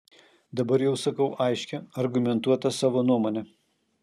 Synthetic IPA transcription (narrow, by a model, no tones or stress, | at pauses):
d̪ɐbɐɾjɛʊsɐkɐʊʔɐɪʃʲkʲɛɐɾɡʊmʲɛnt̪uɔt̪ɐsɑːʋoːnuɔmoːnʲɛ